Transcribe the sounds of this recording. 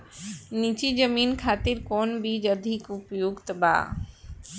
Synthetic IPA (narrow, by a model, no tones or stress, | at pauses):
niːt͡ʃid͡ʒəmiːnkʰaːt̪ɪɾkɔːnbʱid͡ʒɐd̪ʱɪkʊpjoːɡt̪ɐba̰ː